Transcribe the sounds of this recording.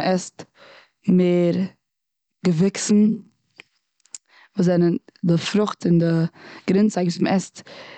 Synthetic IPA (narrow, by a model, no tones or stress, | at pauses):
ʔɛst | meːɾ | ɡ̥əvɪksn̩ | vuːszɛnəndɪfɾʊχtɪndɪɡ̥ɾɪnt͡saɡviːsməɛst